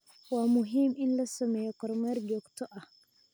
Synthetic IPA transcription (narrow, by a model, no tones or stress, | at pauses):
wamuɦiminlasɔmɛkɔɾmaɾɡɔktɔʔa